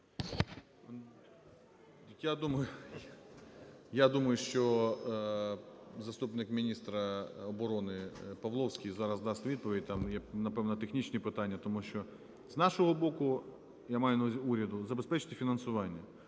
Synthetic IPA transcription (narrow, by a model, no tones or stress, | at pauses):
jad̪umɐjʊ | jad̪umɐjʊʃt͡ʃɔ | zɐst̪upnɪkmʲinʲist̪ɾɐɔbɔɾɔnɪpɐʋlˠɔwsʲkʲijzɑɾɐzd̪ɑst̪ʋʲid̪̚pɔʋʲid̚ʲt̪ɑmjɛnɐpɛʋnɐt̪exnʲit͡ʃnʲipɪt̪ɑnʲːɐt̪ɔmuʃt͡ʃɔ | znɑʃɔɦɔbɔkʊ | jamɑjʊnzʲuɾʲɐd̪ʊzɐbespɛt͡ʃɪ̥t̪ɪfʲinɐnsʊʋɑnʲːɐ